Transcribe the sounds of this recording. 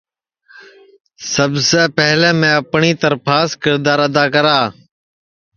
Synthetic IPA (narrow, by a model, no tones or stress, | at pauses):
səbseːpɛɦlẽːmẽːəpɳiːt̪əɾpʰaːskɪɾd̪aːɾəd̪aːkəɾaː